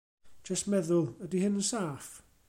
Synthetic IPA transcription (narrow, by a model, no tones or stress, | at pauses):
d͡ʒ̥əstmɛðʊlˠədihɪnənsaːf